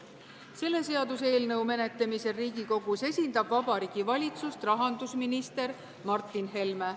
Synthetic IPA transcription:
se̞lːe̞se̞ɑd̪̥use̞ːlnɤwme̞ne̞t̪ːˑemiseriːɡiko̞ɡ̥use̞sʲind̪ɑb̥vɑbɑɾiːɡ̥ivɑlʲit̪sust̪rɑɦɑnd̪usminist̪e̞ɾ | mɑrt̪ːˑinɦe̞lme

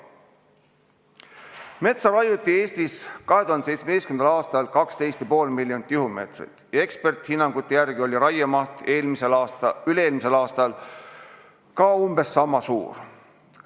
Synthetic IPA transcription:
me̞t̪sɑɾɑjut̪ːˑie̞ːst̪iskɑɦet̪uhɑnd̪s̬ejt̪smed̪estkyend̪ɑlɑːst̪ɑlkɑkst̪e̞jst̪jɑpo̞ːlmilːjonit̪ːˑjuhume̞̰ːt̪rḭt̪ˑjɑe̞kspe̞rt̪ˑhinːɑŋɡ̥ut̪ːˑejærɡ̥io̞lʲiɾɑjemɑht̪eːlmiseylee̞ːlmise̞lɑːst̪ɑl | kɑumb̥e̞sːɑmːɑsṵːr

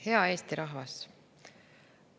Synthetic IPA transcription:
he̞ɑe̞ːst̪iɾʔɑɦvɑs

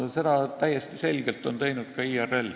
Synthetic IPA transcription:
se̞d̪ɑt̪æjːest̪ise̞lɡelt̪ːˑo̞nt̪ejnud̪̥̚kɑiːerelː

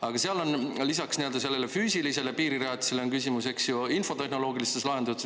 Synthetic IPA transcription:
ɑɡ̥ɑseɑlo̞nlis̬ɑksnield̪ɑselːelefyːsilise̞lepiːɾiɾeɑt̪i̥se̞leoŋkysʲimuse̞ksjuinfo̞t̪e̞ɦno̞lo̞ːɡilist̪eslɑɦe̞nd̪ut̪

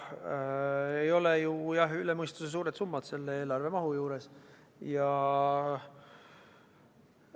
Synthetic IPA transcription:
ejo̞lejujɑɦyle̞mɤjst̪use̞s̬uːɾed̪sumːɑd̪̥se̞lːe̞e̞ːlɑrve̞mɑɦujuːɾe̞s | jɑ

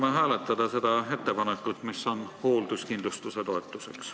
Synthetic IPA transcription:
meɦæːle̞t̪ːˑɑd̪̥ɑse̞d̪ɑe̞t̪ːepɑnekːˑut̪ːˑmisːo̞nho̞ːld̪̥uskind̪lust̪use̞t̪o̞et̪ːˑuse̞ks

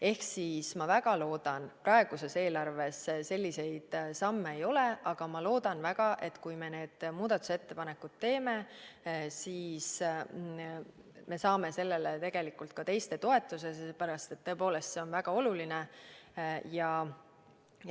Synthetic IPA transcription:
e̞hksismɑvæɡ̥ɑlo̞ːd̪ɑnprɑe̞ɡ̥use̞se̞ːlɑrve̞sse̞lʲːise̞jd̪̥sɑmːeejo̞le̞ʔɑɡ̥ɑmɑlo̞ːd̪̥ɑnvæɡ̥ɑʔe̞t̪kujme̞ne̞ːd̪̥muːd̪ɑt̪ːˑu̥se̞t̪ːe̞pɑne̞kud̪̥̚t̪e̞ːme̞ | siːs | me̞sɑːme̞se̞lːe̞let̪e̞ɡ̥e̞likːˑult̪̚kɑt̪e̞jst̪e̞t̪o̞e̞t̪ːˑuse̞sepæɾɑst̪e̞t̪ːo̞ep̬o̞ːle̞st̪se̞o̞nvæɡ̥ɑo̞luline | jɑ

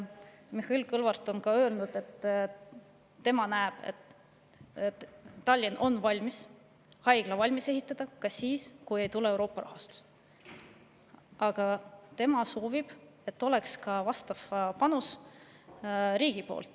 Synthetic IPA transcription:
mihilkɤlvɑrt̪ːˑo̞nkɑøːlnud̪̥e̞t̪ː | e̞mɑnæːb̥ḛt̪ | ɑlʲːinʔo̞nvɑlʲmis | hɑjɡ̥lɑvɑlʲmise̞ɦit̪ːˑɑd̪̥ɑkɑsiːskuje̞jt̪uleewɾo̞ːpːˑɑɾʔɑ̰ɦɑst̪u̥s | ʔɑɡ̥ɑt̪e̞mɑso̞ːvib̥ | e̞t̪ːo̞le̞kskɑvɑst̪ɑv̥pɑnus | ɾiːɡ̥ipo̞̰ːlt̪ːˑ

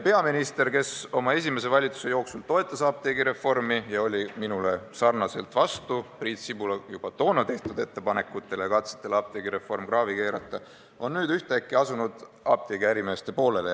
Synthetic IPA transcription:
pe̞ɑminist̪e̞rke̞so̞mɑe̞s̬ʲime̞s̬e̞vɑlʲit̪su̥se̞jo̞ːksult̪o̞e̞t̪ːˑɑsɑːb̚t̪eɡiɾe̞fo̞rmijɑo̞lʲiminule̞sɑrnɑse̞lt̪ˑvɑst̪upriːt̪sibulɑjub̥ɑt̪o̞ːnɑt̪e̞ht̪ud̪e̞t̪ːˑe̞pɑne̞kːˑut̪ːˑe̞le̞kɑt̪se̥t̪ːˑe̞lɑːb̥̚t̪eːɡ̥iɾe̞fo̞rmkrɑːvike̞ːɾɑ̰t̪ːˑɑ | o̞nːyːd̪yht̪eækːˑiɑsunud̪̥ | ɑːb̥̚t̪eɡiæɾime̞ːst̪e̞po̞ːle̞le

